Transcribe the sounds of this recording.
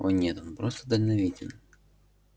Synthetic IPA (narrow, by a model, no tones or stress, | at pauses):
onʲɛt̪onpɾost̪əd̪əlʲnɐvʲidʲɪn